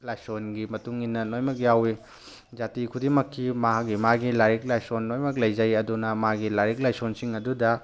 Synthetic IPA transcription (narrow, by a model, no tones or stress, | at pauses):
lajsonɡimɐtuŋinːɐnojmɐk̬̚jawi | d͡ʒatikʰudimɐkʰːimaɦak̚ɡimaɡilaɾik̚lajsonːojmɐk̚lɐjzɐjɐdunɐmaɡilaɾik̚lajsonsiŋɐdudɐ